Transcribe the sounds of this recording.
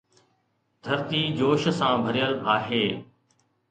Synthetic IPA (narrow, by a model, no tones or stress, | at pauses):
d̪̥ʱəɾt̪iːd͡ʑoːʃsãːbʱəɾɪjəlaːɦeː